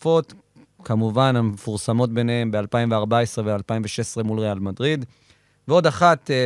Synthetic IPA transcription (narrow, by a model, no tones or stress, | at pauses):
fo̞t̪ | kamuvanamefuʁsamo̞tbe̞nee̞mbe̞alpaimveaʁbae̞sʁe̞vealpaimveʃesʁe̞mulʁealmadʁid̪ | veo̞d̪aχat̪e